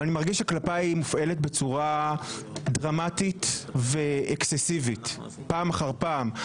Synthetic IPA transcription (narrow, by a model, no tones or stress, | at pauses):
animaʁɡiʃaklapaimufʔe̞letbe̞t͡suʁa | dʁamatit̪veʔeksesivit̪ | paːmaχaʁpaːm